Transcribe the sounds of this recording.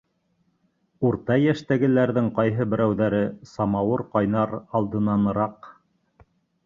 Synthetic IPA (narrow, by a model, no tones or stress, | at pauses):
uɾt̪ɑjæʃt̪æɡɘ̆læɾðɘŋqɑjɦɤbɘ̆ɾæwðæɾɘsɑmɑwɤɾqɑjnɑɾɑlˠd̪ɤ̆nɑnɤ̆ɾɑq